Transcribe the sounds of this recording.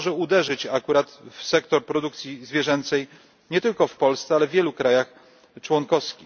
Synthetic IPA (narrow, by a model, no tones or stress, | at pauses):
ʐɛud̪ɛʐɘt͡ɕakuɾat̪fsɛkt̪ɔɾpɾɔd̪uk̚t̪sʲizvʲjɛʐɛnt̪sɛj | ɲɛt̪ɘlkɔfpɔlst̪sɛalɛvʲjɛlukɾajax | t͡ʂwɔŋkɔfskʲi